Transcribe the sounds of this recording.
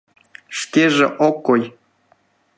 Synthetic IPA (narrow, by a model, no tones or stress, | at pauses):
ʃkʲeʒḛ̆ʔokːoj